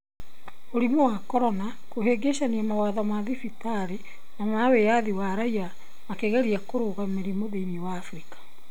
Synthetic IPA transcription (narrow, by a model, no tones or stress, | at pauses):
oɾimowakɔɾɔna | koheɡeʃaniamawaðamaðifitaɾe | namawejaðiwaɾaia | makeɣɛɾiakoɾoɣameɾimoðeniwaːfɾikḁ